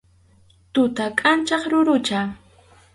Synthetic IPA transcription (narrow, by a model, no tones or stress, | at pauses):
t̪ʊt̪akʼant͡ʃɑχɾʊɾʊt͡ʃa